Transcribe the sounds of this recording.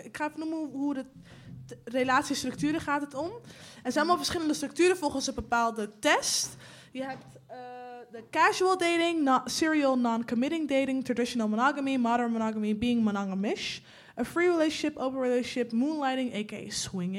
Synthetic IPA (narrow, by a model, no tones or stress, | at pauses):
ɪkχaːɪfənuməuɦudə | relaːtsistɾɵktyːɾəχaːtətɔmɛnzɛnnmalˠfəɹsχɪləndəstrɵk̚tyːɾəfɔlˠχənsəbəpaːlˠdətɛst | jəɦɛp̚t | dəkɛʒuəlˠdejtɪŋsɪɹiolˠnɑnkɔmɪɾɪŋdejtɪŋtɹadɪʃənəlˠmonɑɡəmimɑɾəɹmonɑɡəmibiɪŋmonɑŋəmɪʃ | əfɹiɹileʃɪpowvəɹileɪpmunlajtɪŋekḛjswɪŋ